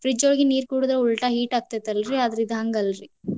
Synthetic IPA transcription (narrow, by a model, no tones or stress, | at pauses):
fɾid͡ʒoːɭɡiniːɾkuːɽud̪ɾɐuɭʈaɦiːʈaːk̚t̪ɐt̪ɐlɾiɐd̪ɐɾid̪ɐɦɐŋɡɐlɾi